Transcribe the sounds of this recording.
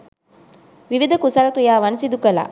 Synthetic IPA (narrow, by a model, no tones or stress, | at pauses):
ʋiʋid̪ɐkusaɾɐkɾijaːʋɐnsid̪ukɐla̰ː